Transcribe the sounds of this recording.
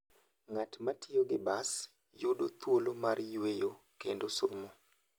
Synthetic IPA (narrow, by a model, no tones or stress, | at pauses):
ŋatmatʰɪoɡɪbas | jodot̪wolomarjwejo | kendosomo